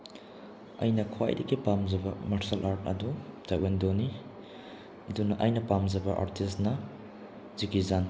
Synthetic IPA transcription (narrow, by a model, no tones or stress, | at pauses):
ɐ̰jnɐkʰwa̰jdɐɡipamd͡ʒɐbɐmɐɾsɐlʔaɾt̚ɐ̰dutajwendoni | ɐdunɐʔɐjnɐpamd͡ʒɐbɐʔa̰ɾtʰisnɐ | zikizan